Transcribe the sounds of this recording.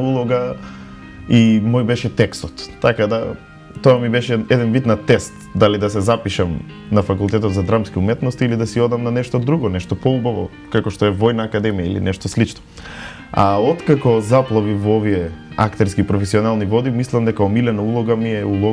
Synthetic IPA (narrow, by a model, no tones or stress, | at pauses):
ulˠɔɡa | imɔjbɛʃɛt̪ɛkst̪ɔt̪ːakad̪a | t̪oamibɛʃɛɛd̪ɛnvit̪nat̪ɛst̪d̪alid̪as̬ɛzapiʃam | nafakulˠt̪ɛt̪ɔt̪zad̪ɾamskiumɛt̪nɔst̪iilid̪asiɔd̪amnanɛʃt̪ɔd̪ɾuɡɔnɛʃt̪ɔpɔubavɔ̰ | kakɔʃt̪ɔɛvɔjnaːkad̪ɛmijaḭlḭnɛʃt̪ɔslit͡ʃnɔ̥ | aɔt̪kakɔzaplˠavivɔoviɛa̰kt̪ɛɾskipɾɔfɛsiɔnalˠnivɔd̪imislˠamd̪ɛkaɔmilɛnaulˠɔɡamiɛulˠɔ